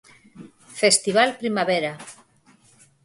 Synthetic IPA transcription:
fest̪iβ̞alpɾimaβeɾa

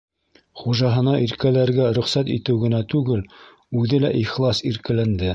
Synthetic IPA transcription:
χuʒɑɦɤ̆nɑʔiɾkælæɾɡæɾɵ̆χsæt̪it̪ɘwɡɘ̆næt̪ʉɡɘl | ʉðɘlæʔiχlˠɑsiɾkælænd̪ɘ

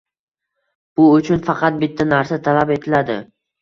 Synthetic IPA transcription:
b̥ʊʊt͡ʃʰʊnfɑqʰɑt̪̚bɪt̪ʰːanaɾsat̪ʰalape̞t̪ʰɪlad̪ɪ̰

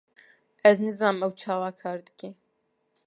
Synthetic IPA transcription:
æznɨzɑːməwt͡ʃʰaːwaːkʰaːɾd̪ɨ̥kʰeː

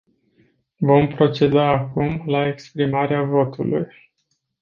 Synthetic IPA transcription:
vo̞mpɾo̞t͡ʃe̞d̪aːkumlae̞kspɾimaɾeavo̞t̪ulṵj

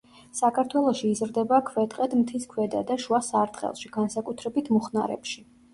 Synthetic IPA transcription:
sakʰaɾt̪ʰwɛlˠɔʃiːzɾd̪ɛbakʰwɛt̪ʼqʼɛd̪mt̪ʰiskʰwɛd̪a̰d̪aʃuasaɾt̪ʼχʼɛ̰lˠʃiɡ̥ansakʼut̪ʰɾɛbit̪ʰmɔχnaɾɛ̰pʃi

